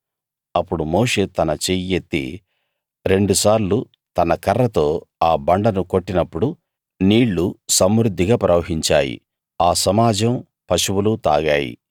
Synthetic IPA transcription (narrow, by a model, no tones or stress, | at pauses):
ɐpːuɽumoːʂe̞ːt̪ɐnɐt͡ʃejet̪ːḭ | ɾe̞ɳɖusaːɾlu | t̪ɐnɐkɐrːɐt̪o̞ːaːbɐɳɖɐnuko̞ʈːinɐpːuɽu | niːɭːusɐmɾud̪ʱːiɡaːpɾɐʋɐɦiɲt͡ʃa̰ːjḭ | aːsɐmaːd͡ʒɐm | pɐʂuwulut̪a̰ːɡaːjḭ